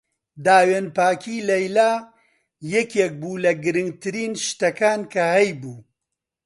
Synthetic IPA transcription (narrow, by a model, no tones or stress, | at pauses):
d̪aːweːnpaːkʰiːlɐjlaː | jɛkek̚buːlɐɡɨɾɨŋɡ̚t̪ʰɨɾiːnʃt̪ɐkaːnkʰɐhɛjbuː